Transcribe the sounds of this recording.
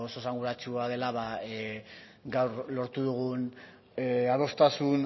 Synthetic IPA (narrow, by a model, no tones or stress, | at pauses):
ososaŋɡuɾat͡ʃuað̞e̞laβae | ɡawɾlo̞ɾt̪uðuɣ̞un | eaðo̞st̪asun